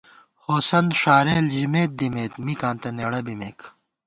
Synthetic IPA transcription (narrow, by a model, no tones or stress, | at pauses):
hoːsɐnʂaːɾeːld͡ʑimeːt̪̚d̪imeːt̪mikaːnt̪ɐneːɽɐbimeːkʰ